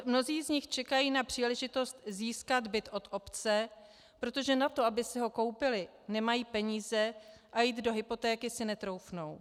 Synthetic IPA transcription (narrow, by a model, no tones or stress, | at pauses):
mno̞ziːzɲɪxt͡ʃɛkajiːnapr̝̥iːlɛʒɪt̪o̞st̪ziːskad̪bɪt̪ʔo̞t̪ʔo̞pt͡sɛ | pɾo̞t̪o̞ʒɛnat̪o̞abɪsɪɦo̞ko̞wpɪlɪ | nɛmajiːpɛɲiːzɛ | ʔajiːd̪do̞ɦɪpo̞t̪ɛːkɪsɪnɛt̪ɾo̞wfno̞w